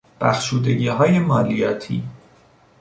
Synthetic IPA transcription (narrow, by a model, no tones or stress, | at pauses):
b̥æxʃuːd̪e̞ɟiːɦɒːje̞mɒːlijɒːt̪ʰḭː